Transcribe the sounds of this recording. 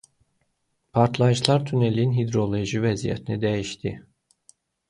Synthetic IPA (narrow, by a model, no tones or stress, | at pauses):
pʰaɾt̪ʰlˠajɯʃlˠaɾt̪ʰynelʲinɦid̪ɾo̞lʲˠo̞jʒivɛzijɛ̰t̪ʰinid̪ejiʃt̪ʰi